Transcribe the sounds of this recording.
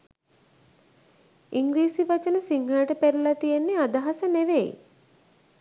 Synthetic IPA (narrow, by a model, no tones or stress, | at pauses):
iŋɡɾiːsiʋat͡ʃənəsiŋɦaɾəʈəpeɾulat̪ijenːead̪aɦasəneʋej